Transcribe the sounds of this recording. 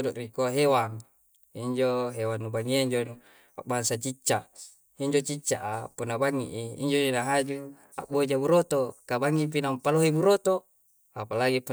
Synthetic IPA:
dɔʔrikuaɦewaŋ | iɲd͡ʒoɦewanːubaŋiaiɲd͡ʒonu | a̰baŋsat͡ʃit͡ʃːaʔ | iɲd͡ʒot͡ʃit͡ʃːaʔapunːabaŋːḭʔiḭɲd͡ʒonaɦad͡ʒu | a̰ʔbod͡ʒabuɾot̪okabaŋip̬inampaloɦebuɾot̪o | apalaɡipu

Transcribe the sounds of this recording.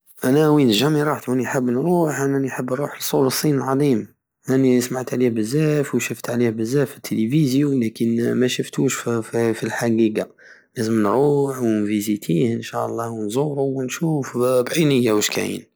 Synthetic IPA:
ʔænæwinəʒæmiɾˤɑħt̪æniħəbːnɾuħʔænæniħəbːɾˤuħəlsˤuləsˤːinəlʕɑd̪ˤim | ʔænismaʕt̪ʕlihbəzːæfwʃəft̪ʕlihbəzːæfət̪ʰːelivizjulækənmæʃəft̪uʃffilħaɡiɡa | læzəmnɾuħwnvizit̪ʰihənʃæʔɑlˤːɑwnzˤuɾuwnʃufbʕinəjːawəʃkæ̰jḭn

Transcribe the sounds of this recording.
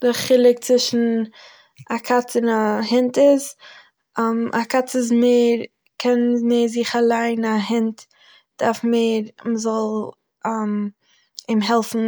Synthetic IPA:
dɪχɪlˠɪk̚t͡svɪʃn̩ | akʰat͡sɪnahɪntɪz | ɛmʔakat͡sɪz̬meːɾ | kʰɛnmeːɾzɪχalˠaɪnaɦɪnt | d̥aɾfmeːɾməzɔlˠ | ɛm | ɪmɦɛlˠfn̩

